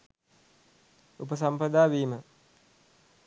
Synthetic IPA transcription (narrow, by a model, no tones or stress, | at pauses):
upəs̬ampəd̪aːʋiːmə